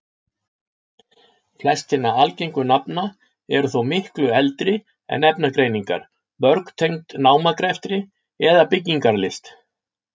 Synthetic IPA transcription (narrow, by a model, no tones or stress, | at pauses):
flɛst̪ɪnːaalcejŋkʏnapna | ɛɾʏθowmɪhklʏɛlt̪ɾɪ | ɛ̰nɛpnakɾeːjniŋka̰ɾ̥ | mœɾkt̪ʰejŋt̪naːwmakɾɛft̪ɾɪ | ɛðapɪcːiŋkaɾlɪst̪